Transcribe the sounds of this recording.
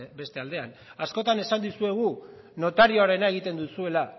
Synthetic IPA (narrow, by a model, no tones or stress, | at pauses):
be̞st̪e̞ald̪e̞anasko̞t̪ane̞sand̪usue̞ɣ̞u | no̞t̪aɾioaɾe̞nae̞ɣ̞it̪e̞nd̪usue̞la